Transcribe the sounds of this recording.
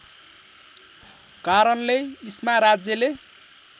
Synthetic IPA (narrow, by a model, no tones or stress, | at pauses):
kaɾʌnleismaɾad͡zjʌle